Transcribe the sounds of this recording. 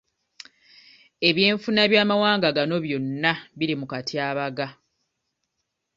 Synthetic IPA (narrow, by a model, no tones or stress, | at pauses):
e̞βjeːɱfunaβjaːmawaːŋɡaɡano̞βjo̞nːaβiɾimukatʰiaːβaɡa